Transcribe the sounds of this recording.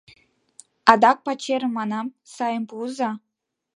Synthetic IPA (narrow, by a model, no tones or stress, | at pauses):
ɑd̪ɑk̚pɑt͡ɕeɾə̆mːɑnɑmsɑjəmpuzɑ